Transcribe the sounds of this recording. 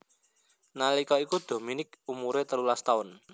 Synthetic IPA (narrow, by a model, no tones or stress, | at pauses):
nalikɔikud̪̥o̤minɪk̚umuɾet̪əlulast̪aʊn